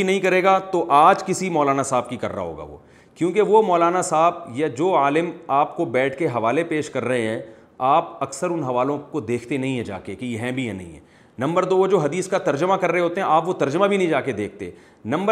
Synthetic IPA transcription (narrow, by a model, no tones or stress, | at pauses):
inɐɦĩkɐɾeːɡat̪oʔaːd͡ʒkɪsimɔːlaːnasaːb̚kikɐɾːa̰ɦo̰ːɡa̰ʋo̰ː | kjõːkeʋomɔːlaːnasaːbjad͡ʒoːaːlɪmaːpkobɛːʈʰkeɦɐʋaːlepeːʃkɐɾːɐɦẽɦɛ̃ | aːp̚ɐksəɾʊnɦɐʋaːlõkod̪eːkʰt̪enɐɦĩɦɛ̃d͡ʒa̰ːkekijɦɛ̃bʱijɛnɐɦḭ̃ɦɛ̰̃ː | nɐ̃mbəɾd̪oːd͡ʒoːɦɐd̪iːskat̪ɐɾd͡ʒəmakɐɾːəɦeɦoːt̪eɦɛ̃ʔaːpʋot̪ɐɾd͡ʒəmabʱinɐɦĩd͡ʒaːked̪eːk̚ʰt̪ḛ | nɐ̃mbə